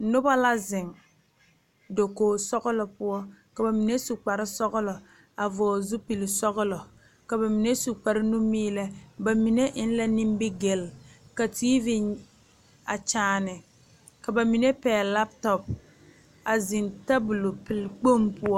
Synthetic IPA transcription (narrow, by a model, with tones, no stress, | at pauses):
nʊ˦ba˦la˦zɪ˨ŋ | do˨koː˨sɔ˦ɣʊ˦lɔ˨pʊ˦ɔ˦ka˨ba˨mi˨ne˦su˨k͡pa˨ɾɪ˦sɔ˦ɣʊ˦lɔ˨ | a˨vɔː˨zʊ˦pi˨lɪ˨sɔ˦ɣʊ˦lɔ˨ | ka˨ba˨mi˨ne˦su˨k͡pa˨ɾɪ˦nu˦miː˦lɛ˦ba˨mi˨ne˦ʔɪ˦n˦la˦ni˦m˦bɪ˦ɡe˨lka˨tiː˦vi˦n | a˨t͡ʃaː˨nɪ˨ | ka˨ba˨mi˨ne˦pɛː˨la˦p̚tɔ˨p̚ | a˨zɪ˨nta˦bʊ˨lo˨pɪ˨lk͡po˦˨mpʊ˦ɔ˦